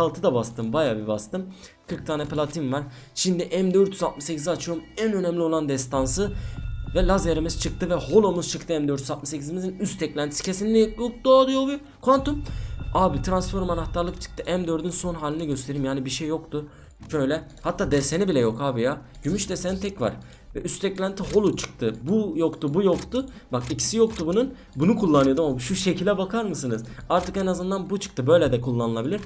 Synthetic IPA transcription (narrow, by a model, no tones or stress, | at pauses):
salˠt̪ʰɯd̪abast̪ʰɯmbajaːbibast̪ɯm | kʰɯɾk̚t̪ʰaːnɛpʰlʲˠat̪ʰinvaɾ̥ | ʃind̪iʔæmd̪øɾt̪ʰjyzalt̪mɯʃsecʰiziat͡ʃʰɯjomænø̞nɛmlʲio̞lˠand̪ɛst̪ʰansɯvɛlʲˠazeɾimizt͡ʃʰɯk̚t̪ɯvɛho̞lˠomuzt͡ʃʰɯkt̪ʰɯɛmd̪øɾt̪ʰjyzat̪mɯʃsecʰizmizinyst̪ʰɛclʲænt̪ʰisi̥cʰe̞sinʲlʲijklˠk̚d̪oːd̪ujobi | kʰvant̪umaːbit̪ʰɾansfo̞ɾmanaht̪ʰaɾlˠɯkt͡ʃʰɯ̥k̚t̪ʰɯʔæmd̪ø̞ɾd̪ynso̞nɦaːlʲinɛɟø̞st̪ʰe̞ɾiːmjaːnibiʃejːo̞kt̪u | ʃʰø̞jlʲɛ | hat̪ʰːaːd̪ɛse̞nibilʲɛjo̞kaːbijaɟ̥ymyʃd̪ɛsenit̪ʰɛcva̰ɾ̥ | ɛyst̪ʰɛclʲænt̪ʰiɦo̞lˠut͡ʃʰɯ̥k̚t̪ʰɯbujo̞kt̪ubujo̞kt̪u | bakicʰi̥sijokt̪ubunun | bunukʰulˠːanɯjad̪ɯmabiʃuʃe̞cʰilʲɛbakʰaɾmɯsɯnɯzaɾt̪ʰɯkenazɯnd̪anbut͡ʃʰɯ̥k̚t̪ʰɯbø̞jlʲɛd̪ɛkʰulˠːanɯlˠabilʲiɾ̥